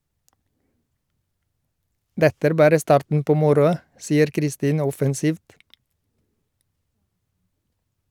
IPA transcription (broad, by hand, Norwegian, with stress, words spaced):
ˈdɛtə ˈæːɾ ˈbɑːɾə ˈstɑːɾtn̩ ˈpoː ˈmʊɾʊɑ ˈsiːəɾ kɾɪˈstiːnə ˈɔfɛnˌsiːft